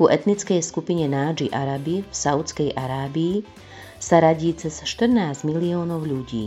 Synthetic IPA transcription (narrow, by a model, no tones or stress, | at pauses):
uʔɛt̪nit͡skɛjskupiɲɛnaːd͡ʒiʔaɾabifsaʊt͡skɛjʔaɾaːbiː | saɾaɟiːt͡sɛsʃt̪r̩naːzɟmiliɔːnɔʊʎuɟḭː